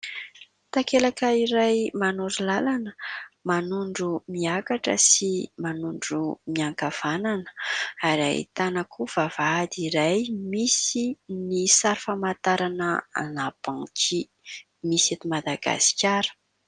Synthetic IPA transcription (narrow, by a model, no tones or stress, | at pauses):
t̪akelakəiɾajmanuɾilalanəmanuɳɖ͡ʐumiakaʈ͡ʂə̰simanuɳɖ͡ʐumiaŋkav̥ananə̥aɾa̰ḭt̪anakʰuv̥avad̪iɾajmisinisaɾifamat̪aɾanəanab̥ãkʰi | miset̪umad̪aɡa̰si̥kʲaɾə̥